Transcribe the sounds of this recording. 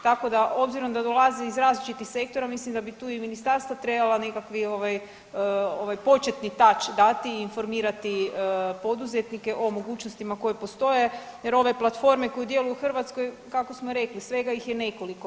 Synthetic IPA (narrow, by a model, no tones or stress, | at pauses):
t̪ako̞d̪aobziɾo̞md̪ad̪o̞lˠazeizɾaːzlit͡ʃit̪ixse̞k̚t̪o̞ɾamislimd̪abit̪uːiminist̪aɾst̪ʋat̪ɾe̞balˠane̞kakʋio̞ʋaj | o̞ʋajpo̞t͡ʃe̞t̪nit̪at͡ʃd̪at̪iːnfo̞ɾmiːɾat̪iəpo̞d̪uzet̪nike̞ʔo̞mo̞ɡuːt͡ʃnost̪imako̞jepost̪o̞je̞jeɾo̞ʋe̞plˠat̪fo̞ɾme̞ko̞jud̪je̞lujuxr̩ʋat̪sko̞j | kakosmoɾe̞klisʋe̞ɡajixjene̞ko̞liko